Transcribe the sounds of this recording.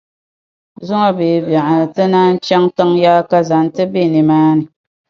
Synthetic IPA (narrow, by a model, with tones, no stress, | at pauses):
zʊ˦ŋa˨beː˨ba˨ʔa˨tɨ˦na˦n̩˦t͡ʃɛ˦ŋ˦tɨ˦ŋjaː˦ka˦za˨n˦tɨ˦be˦˨ni˨maː˦ni˨